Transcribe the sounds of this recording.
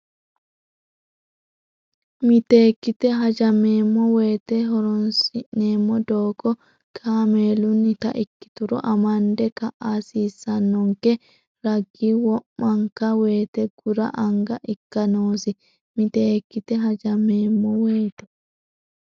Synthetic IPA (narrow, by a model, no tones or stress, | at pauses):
mɪt̪eːkːɪt̪ɛɦɐd͡ʒɐmeːmːɔweːt̪ɛɦɔɾɔnsɪnːeːmːɔd̪oːkɔ | kʰaːmeːlʊnːɪt̪ɐ̰ʔɪkːɪ̥t̪ʊɾɔ̰ʔɐmɐnd̪ɛkɐʔasiːsːɐnːɔŋkɛ | ɾɐɡːiwɔmmɐŋkɐwe̞ːt̪ɛɡ̥ʊɾɐ̰ʔɐŋɡɐʔɪkːɐnoːsɪ | mɪt̪eːkːɪt̪ɛɦɐd͡ʒɐmeːmːɔweːt̪ɔ̥